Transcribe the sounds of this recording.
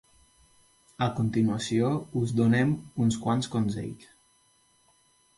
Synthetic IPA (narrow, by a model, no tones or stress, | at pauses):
əkunt̪inuəsiouzd̪unɛmunskwanskonzḛj